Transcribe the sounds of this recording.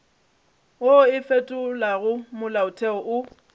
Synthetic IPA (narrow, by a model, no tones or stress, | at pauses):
oɪfetʼʊlaɣʊmʊlaʊtʰʼɛɔʔʊ